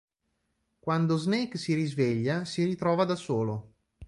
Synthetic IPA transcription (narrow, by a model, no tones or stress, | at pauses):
kwand̪oznɛjksiɾizveʎːasirit̪ɾɔːvad̪asoːlo